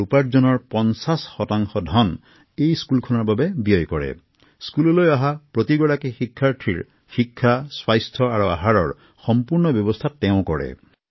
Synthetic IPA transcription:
upaɾd͡ʒɔnɔɾpɔnsasxɔtaŋxɔdʱɔn | ejskulkʰɔnaɾbabebijɔjkɔɽḛ | skulɔlojaɦapɾɔt̪iɡɔɽakexikʰːaɾʈʰiɾ | xikʰːaswajst̪ʰɔaɾua̰ɦaɾɔɹ | xɔmpuɾnɔbjɔbɔst̪ʰateʊ̃kɔɽḛ

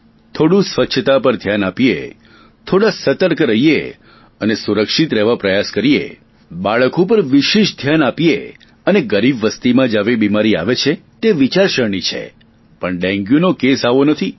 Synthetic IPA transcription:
t̪ʰoɽũsʋəʃʰət̪apəɾd̪ʱjanapijḛ | t̪ʰoɽasət̪əɾkɾəɦijḛ | ənesuɾəkʃit̪ɾɛʋapɾəjaskəɾiḛ | baɭəkopəɾʋiʃeʃd̪ʱjanapijḛ | əneɡəɾibʋəst̪imãd͡ʒaʋebimaɾia̰ʋet͡ʃʰet̪eʋit͡ʃaɾʃəɾɳit͡ʃʰḛ | pəɳɖɛ̃ŋɡjunokesaʋonət̪ʰi

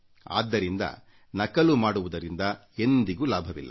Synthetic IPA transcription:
a̰ːd̪ːɐɾind̪ɐ̰ | nɐkːɐlumaːɽuʋud̪ɐɾind̪ɐ | end̪iɡulaːbʱɐʋilːɐ̰

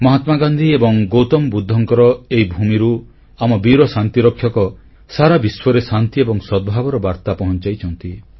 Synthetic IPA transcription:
mɔɦat̪maɡand̪ʱiebɔŋɡowt̪ɔmbud̪ʱːɔŋkɔɾɔeɦibʱumiɾu | amɔbiɾɔsant̪iɾɔkʰːjɔkɔ | saɾabiswɔɾesant̪iebɔŋsɔd̪̚bʱabɔɾɔbaɾt̪apɔɦɔnt͡ʃajt͡ʃʰɔnt̪i

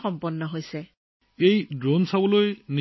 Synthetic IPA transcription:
xɔmpɔnːɔɦojsɛ | ejdɹonsabɔlojni

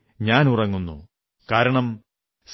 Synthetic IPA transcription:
ɲaːnurɐŋːunːṵ | kaːɾɐɳɐm | s

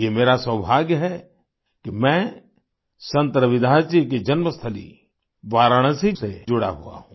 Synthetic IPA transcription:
jemeːɾaswəbʱaːɡjɦɛ | kimɛ̃ː | sɐ̃nt̪ɾəʋɪd̪ʱaːt͡ʃik̬id͡ʒɐnməst̪ʰəlḭ | ʋaːɾəɽ̃sised͡ʒʊɽa̰ɦua̰ɦũː

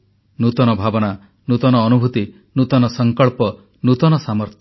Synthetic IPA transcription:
nut̪ɔnɔbʱabɔna | nut̪ɔnɔːnubʱut̪i | nut̪ɔnɔsɔŋkɔɭpɔ | nut̪ɔnɔsamɔɾt̪ʰj

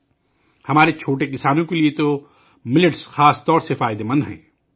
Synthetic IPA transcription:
hɐmaːɾet͡ʃʰoːʈekɪsaːnõkeliet̪o | mɪlɪʈsxaːst̪ɔːɾsefaːɪd̪emɐ̃nd̪ɦɛ̰̃ː

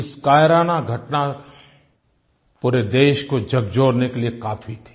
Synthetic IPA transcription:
ɪskaːjɾaːnaɡʱɐʈna | puːɾed̪eːʃkod͡ʒɐɡd͡ʒoːɾnekeliekaːfʰit̪ʰe̥

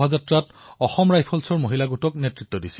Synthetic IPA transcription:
azatɹat | ɔxɔmɹajpʰɔlsɔɹmoɦilaɡutɔknetɹit̪ːɔdisi̥

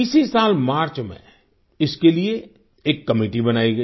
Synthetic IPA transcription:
iːsisaːlmaːɾt͡ʃmḛ̃ | ɪskelie | eːkːɐmiːʈibɐnaːiɡɐi

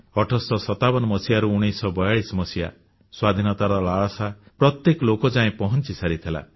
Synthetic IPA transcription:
ɔʈʰɔsɔsɔt̪abɔnɔmɔsijaɾuuɽ̃isɔbɔjaɭismɔsija̰ | swad̪ʱinɔt̪aɾɔlaɭɔsapɾɔt̪jekɔlokɔd͡ʒaẽpɔɦɔnt͡ʃisaɾit̪ʰela̰

